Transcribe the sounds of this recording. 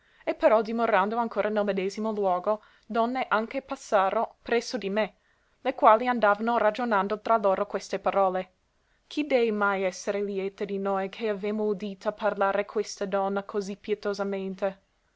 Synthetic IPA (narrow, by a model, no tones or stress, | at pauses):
epːeɾɔd̪imoɾand̪oaŋkʰoːɾanɛlmed̪eːzimolwɔːɡo | d̪ɔnːeʔaŋkepasːaːɾopɾɛsːod̪ime | lekwaːliand̪aːvanoɾad͡ʒonand̪ot̪ɾaloːɾokwest̪epaɾɔːle | kʰid̪ɛvmajɛsːeɾeljɛːt̪ed̪inojkʰeavemoud̪iːt̪aparlaːɾekʰwest̪ad̪ɔnːakʰozipːjɛt̪ozament̪e